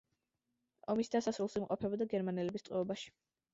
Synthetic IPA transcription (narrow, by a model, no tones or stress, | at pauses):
ɔmisd̪asasɾulˠsimqʼɔpʰɛbɔd̪aɡɛɾmanɛlɛbist̪ʼwɛɔbaʃi̥